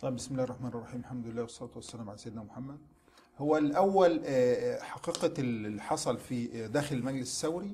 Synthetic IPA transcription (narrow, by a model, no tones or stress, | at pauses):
t̪ˤɑbɪsmɪlæːhrˤːɑħmæːnrˤːɑħiːmlħamd̪ʊɪlːæːwɑsˤːɑlɑːt̪wasːælæːmʕalæsajːd̪næmʊħamːæd̪̚ | hʊwːælʔæwːæl | ħɑqiːqɑħɑsˤɑlfid̪æːxɪlɪlmæɡlɪsɪ̥sːæwɾi